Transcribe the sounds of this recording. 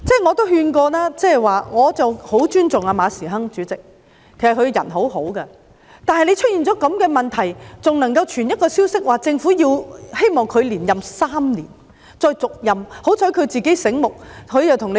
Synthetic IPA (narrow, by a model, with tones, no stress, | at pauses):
t͡sɛː˥˩ŋɔː˨˧t̪o˥wɦyː˧nkɔː˧laː˥t͡sɛ˥˨jwaː˨ŋɔː˨˧t͡sɐ˨who˨˥wt͡ʃyː˥nt͡sʊ˨ŋaː˧maː˨˧siː˨˩ɦɐ˥ŋt͡ʃyː˨˥t͡sɪ˨k̚ʰː | e˨˩s̚kʰɵ˧ɥjɐ˨˩nɦo˨˥wɦo˨˥wkɛ˧ | t̪aː˨nhɐ˨jle˧jt͡ʃʰɵ˥t̚jiː˨˩nt͡sɔː˨˥kɐ˨˧˥mkɛː˧mɐ˨˩nt̪ʰɐ˨˩jt͡sʊ˨ŋnɐ˨˩ŋkɐ˧wt͡ʃʰyː˨˩njɐ˥t̚kɔː˧siː˥wsɪ˥k̚waː˨t͡sɪ˧ŋfuː˨˥jiː˧whe˥jmɔː˨˩ŋkʰɵ˨˧ɥliː˨˩njɐ˨msaː˥mniː˨˩n | t͡sɔː˧jt͡sʊ˨k̚jɐ˨mho˨˥wt͡sʰɔː˨˥jkʰɵ˨˧t͡siː˨ke˨˥jsɪ˨˥ŋmʊ˨k̚kʰɵ˨˧ɥt͡sɐ˨wt̪ʰʊ˨˩ŋne˧